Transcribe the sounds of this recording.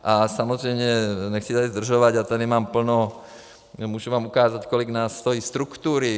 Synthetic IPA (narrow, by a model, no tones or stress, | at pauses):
ʔasamɔzɾɛjmɲɛɲɛxt͡sid̪azd̪r̩ʒɔʋaɟat̪ɛd̪imaːmpl̩nɔ | muːʃuʋaːmukaːzackɔliɡnaːsːt̪ɔjiːst̪ɾukt̪uːɾi